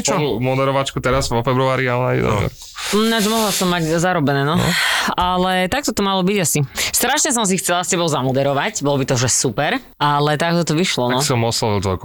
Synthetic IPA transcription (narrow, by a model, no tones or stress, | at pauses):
t͡ʃɔnumɔd̪ɛɾɔʋat͡ʃkut̪ɛɾazʋɔfɛbɾuaːɾialɛnajɛ̰d̪nɛ̰ʋɛ̰ɾkunat͡ʃɛmɔɦlasɔmːaɟzaɾɔbɛnɛːnɔ̰alɛt̪ak̚t̪ɔt̪ɔmalɔbiɟasist̪ɾaʃɲɛs̬ɔms̬ixt͡sɛlascɛbɔʊzamɔd̪ɛɾɔʋacbɔlɔbit̪ɔʒɛsupɛɾ | alɛt̪ak̚t̪ɔt̪ɔʋiʃlɔnɔsiɔmɔslɔʋilt̪ʋɔlk